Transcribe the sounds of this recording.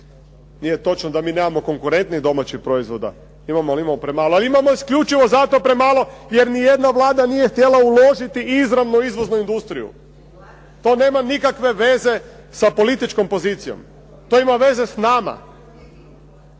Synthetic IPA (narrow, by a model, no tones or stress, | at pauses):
nijet̪o̞t͡ʃnod̪amiːne̞ːmamo̞ko̞ŋkuɾe̞nt̪nid̪o̞mat͡ʃixpɾo̞izʋo̞d̪a̰ | imamoaliimamopɾemaːloaliimamoiskʎut͡ʃiʋo̞zat̪o̞pɾemaːlo̞jeɾnije̞d̪naʋlˠaːd̪anije̞xt̪je̞lˠaulˠo̞ʒit̪iʔizɾaʋnoizʋo̞znuind̪ust̪ɾijṵ | t̪o̞ne̞ːmanikakʋeʋe̞ze̞ | sapo̞lit̪it͡ʃko̞mpo̞zit̪sijo̞̰m | t̪oimaʋe̞ze̞snaːma̰